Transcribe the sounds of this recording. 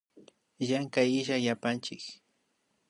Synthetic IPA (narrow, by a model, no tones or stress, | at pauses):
jaŋkajɪʒajapant͡ʃɪk